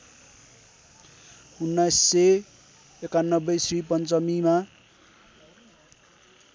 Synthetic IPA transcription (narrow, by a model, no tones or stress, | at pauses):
unːajsːe | ekanːʌbːʌsripʌnt͡sʌmima